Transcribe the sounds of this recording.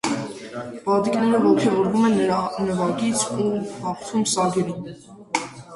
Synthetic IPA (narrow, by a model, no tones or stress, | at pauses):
b̥ɑd̪iknɛɾəvɔkʰɛɔɾvumɛnːɾɑnəvɑɡit͡sʰuhɑχt̪ʰumsɑɡɛɾum